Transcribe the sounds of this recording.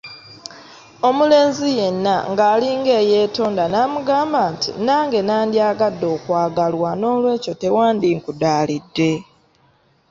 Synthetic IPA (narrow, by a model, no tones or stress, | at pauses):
o̞mule̞ːnzije̞nːaŋɡaːliŋɡe̞ːje̞ːtoːndanaːmuɡaːmbaːntḭnaːŋɡe̞naːndjaːɡadːo̞ːkwaːɡalwano̞ːlwe̞ːco̞te̞waːndiŋkudaːlidːe̞